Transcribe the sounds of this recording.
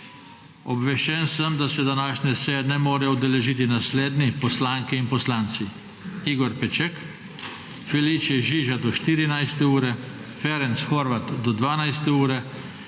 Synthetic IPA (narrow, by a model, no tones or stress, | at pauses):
ɔbʋɛʃt͡ʃɛnsəmd̪asɛd̪anaːʃnɛsejɛnɛmoːɾɛud̪ɛlɛʒiːt̪inasleːd̪nipɔslaːŋkiinpɔslaːnt̪si | iːɡɔɾpɛt͡ʃɛk | fɛlit͡ʃjɛʒiʒad̪ɔʃt̪iːɾinajst̪ɛuːɾɛ | fɛɾɛnsxɔɾʋat̪d̪ɔd̪ʋaːnajst̪ɛuːɾɛ